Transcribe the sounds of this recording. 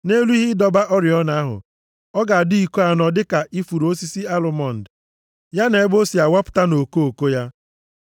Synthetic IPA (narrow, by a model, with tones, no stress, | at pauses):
ne˦lu˦i˦ɦɪ˦dɔ˨ba˦ʔɔ˦ɾɪ˨ɔ˦na˨a˦ɦʊ̰˨ | ɔ˦ɡa˨a˨dʊ˦i˨ko˦a˨nɔ˨dɪ˦ka˨ʔi˦fu˨ɾo˦si˦si˦a˦lʊ˨mɔ˦˨n̩˨d | ja˦ne˨e˦bo˦si˨a˨wa˦pʊ̥˨ta˦no˨ko˦o˨ko˦ja˦